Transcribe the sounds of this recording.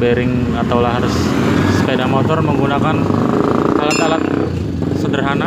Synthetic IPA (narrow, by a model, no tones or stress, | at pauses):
beɾɪŋ | at̪awlaɦaɾʊsː | əpedamɔt̪ɔrməŋɡunakan | alat̪alat̪̚ | səndərɦana